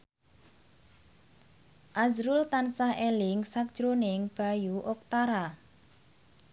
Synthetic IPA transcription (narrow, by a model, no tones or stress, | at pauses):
ʔazɾult̪ansahelɪŋsak̚ʒ̥ɾonɪŋb̥a̤juʔok̚t̪aɾa